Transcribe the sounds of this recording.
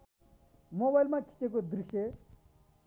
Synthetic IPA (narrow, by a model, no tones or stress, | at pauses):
mobajilmakʰi̥t͡ɕekod̪ɾiʂe